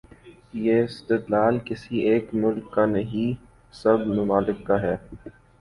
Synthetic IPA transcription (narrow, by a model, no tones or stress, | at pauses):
jeːɪst̪ɪd̪laːlkɪsieːkmʊlkːanɐɦi | sɐbmʊmaːlɪkːaɦɛː